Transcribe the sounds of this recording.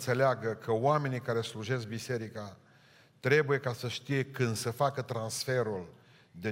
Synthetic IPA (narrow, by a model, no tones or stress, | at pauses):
t̪se̞leaɡəkʰəoame̞nikaɾe̞sluʒe̞sk̚bise̞ɾika | t̪ɾe̞buje̞kasəʃt̪ije̞kɨnd̪səfakət̪ɾansfe̞ɾul | d̪e